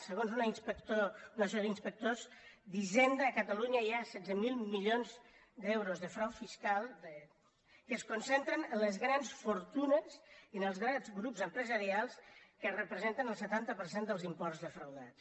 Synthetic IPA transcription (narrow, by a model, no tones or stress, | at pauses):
səɣonzuninspəkt̪ounəsɔðinspək̚t̪ozd̪iʒend̪əːkət̪əluɲəjasɛd͡zzəmilˠmiʎonz | d̪ɛwɾozðəfɾawfiskalˠd̪ə | kəskunsent̪ɾənənləzɣɾansfuɾt̪unəziənəlˠzɣɾanzɣɾupzəmpɾəzəɾialˠskərəpɾəzent̪ənəlˠsət̪ant̪əpəɾsend̪əlˠzimpɔrzðəfɾəwðat̪̚